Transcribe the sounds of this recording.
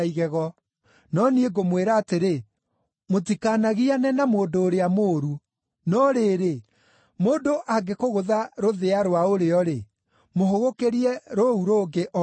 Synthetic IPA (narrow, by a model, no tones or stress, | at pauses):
iɣɛɣɔ | nɔnieɡomweːɾaːteɾe | motikanaɣianɛnamoːdoːɾeamoːɾu | nɔɾeːɾe | moːdoʔaɡekoɣoðaɾoðeaɾowaoɾeɔɾe | moɦoɣokeɾiɛɾouɾoːɡeʔɔ